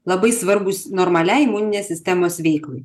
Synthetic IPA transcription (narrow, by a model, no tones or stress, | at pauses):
lˠɐbɐɪsʋɐɾbʊsnoːɾmɐlʲæɪɪmuːnʲɪnʲeːsʲɪsʲt̪ʲɛmoːsʋʲɛɪklˠɐɪ